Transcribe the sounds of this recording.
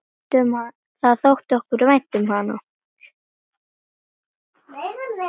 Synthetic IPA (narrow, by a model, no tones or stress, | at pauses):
t̪ʏma | θaðθowht̪ɔhkʏɾvajt̪ʏmhana